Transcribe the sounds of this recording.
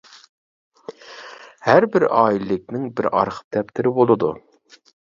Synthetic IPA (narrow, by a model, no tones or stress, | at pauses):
hæɾbɪɾɑːilːɪk̚ʲnɪŋbɪɾɑ̰ɾχə̥p̚t̪ʰɛpt̪ʰɪɾɪbolˠɨd̪u